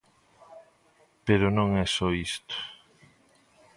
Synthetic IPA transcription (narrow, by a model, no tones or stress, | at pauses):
peɾonõŋɛsɔist̪o̥